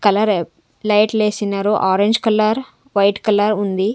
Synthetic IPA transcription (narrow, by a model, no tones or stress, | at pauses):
kɐlɐɾ | lɐjʈleːsinɐɾuʔaːɾeɲd͡ʒkɐlɐɾ | ʋɐjʈkɐlɐɾund̪i